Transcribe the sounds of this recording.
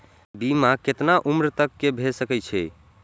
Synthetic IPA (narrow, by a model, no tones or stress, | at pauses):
bimaket̪naʔumɾt̪əkːebʱesəkɛt͡ʃʰɛ